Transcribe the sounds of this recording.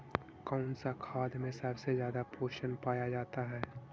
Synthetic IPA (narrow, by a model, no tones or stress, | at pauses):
kɔʊnsakʰaːd̪mẽsəbsezjaːd̪apoːʃənpaːjad͡ʒaːt̪aɦɛː